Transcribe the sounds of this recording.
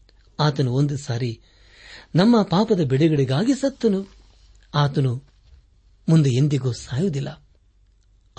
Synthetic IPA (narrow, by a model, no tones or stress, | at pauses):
aːt̪ɐnuond̪usaːɾi | nɐmːɐpaːpɐd̪ɐbeɽiɡɐɽiɡaːɡisɐt̪ːɐnu | aːt̪ɐnu | mund̪uend̪iɡoːsaːjud̪ilːɐ